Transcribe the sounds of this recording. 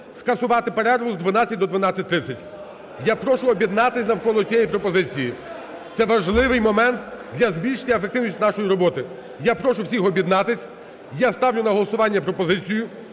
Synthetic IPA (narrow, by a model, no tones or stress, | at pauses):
skɐsʊʋɑt̪ɪpeɾɛɾɔɦʊzd̪ʋɐnat͡sʲːɐt̚ʲd̪ɔd̪ʋɐnɑt͡sʲːɐt̚ʲt̪ɾɪt͡sʲːɐtʲ | japɾɔʃʊɔbʲjid̪nɑt̪ɪsʲnɐwkɔlˠɔt͡sʲijɛjipɾɔpɔzɪt͡sʲiji | t̪sɛʋɐʒlˠɪʋɪjmɔmɛnt̪d̪lʲɐzbʲilʲʃɪ̥tʲɐefekt̪ɪʋnʲisʲtʲnɑʃɔjiɾɔbɔt̪ɪ | japɾɔʃʊwsʲixɔbʲjid̪nɑt̪ɪsʲ | jast̪ɑwnʲʊnɐɦɔlˠɔsʊʋɑnʲːɐpɾɔpɔzɪt͡sʲijʊ